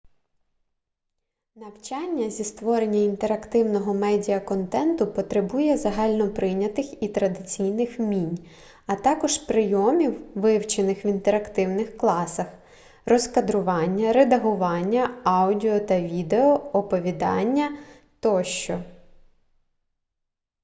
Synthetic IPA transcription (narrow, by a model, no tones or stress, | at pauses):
nɐwt͡ʃɑnʲːɐzʲist̪ʋɔɾenʲːɐint̪eɾɐkt̪ɪwnɔɦɔmɛdʲijɐkɔnt̪ɛnt̪ʊpɔt̪ɾebujɛzɐɦɑlʲnɔpɾɪnʲɐt̪ɪxit̪ɾɐd̪ɪt͡sʲijnɪxmʲinʲ | ɐt̪ɑkɔʒpɾɪjɔmʲiwʋɪwt͡ʃenɪxʋʲint̪eɾɐkt̪ɪwnɪxklˠɑsɐx | rɔskɐd̪ɾʊʋɑnʲːɐɾed̪ɐɦʊʋɑnʲːɐɑwdʲiɔt̪ɐʋʲid̪eɔɔpɔʋʲid̪ɑ̰nʲːɐ | t̪ɔʃt͡ʃɔ